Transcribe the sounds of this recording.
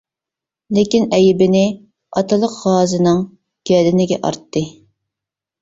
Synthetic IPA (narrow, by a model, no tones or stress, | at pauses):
lekʲinɛjɪbɪnɪ | ɑt̪ʰɨlˠəqʁɑːzɨnɨŋ | ɡ̥ʲɛd̪ɪnɪɡʲɛ̰ʔɑ̰ɾt̪ːɨ